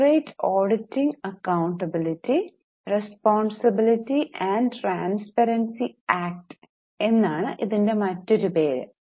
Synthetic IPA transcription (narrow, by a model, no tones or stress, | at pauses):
rɐjtːoːɖitːiŋɐkːɐwɳʈɐbiliʈːi | respoːɳsɐbilitːiʔɐːɳɖʈraːnspɐɾɐnsiaːk̚ʈ | e̞nːaːɳɨʔiðinde̞mɐtːo̞ɾupeːɾɨ̰